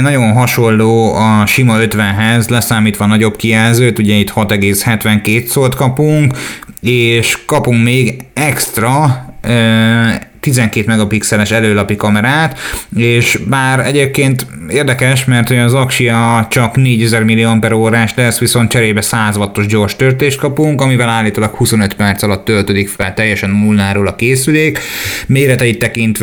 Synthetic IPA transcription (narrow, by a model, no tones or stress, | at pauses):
nɒɟo̞nɦɒʃo̞lːoːɒʃimɒø̞t̪ʋɛnɦɛzlɛsaːmiːt̪ʋɒnɒɟo̞bkijɛlzøːt̪uɟɛit̪hɒt̪ɛɡeːshɛt̪ʋɛŋkeːt̪solt̪kɒpuŋkeːʃkɒpuŋkmeːɡɛkst̪rɒø | t̪izɛŋkeːt̪mɛɡɒpiksɛlɛʃɛløːlɒpikɒmɛɾaːt̪eːʃbaːɾɛ̰ɟeːp̚keːnt̪ | eːrd̪ɛkɛʃmɛrt̪ho̞ɟɒzɒkʃijɒt͡ʃɒkneːɟɛzɛrmilːiɒmpɛɾoːɾaːʃlɛsːʋiso̞nt̪̚t͡ʃɛɾeːbɛsaːzɒɦɒt̪ːo̞ʒɟo̞rʃt̪ørt̪eːʃt̪̚kɒpuŋkɒmivɛlaːlːiːt̪oːlɒkhuso̞nøt̪pɛrt̪sɒlɒt̪ːølt̪ød̪ikfɛlt̪ɛjːɛʃɛnːulnaːɾoːlɒkeːsyleːkmeːɾɛt̪ɛit̪ːɛkint̪ʋ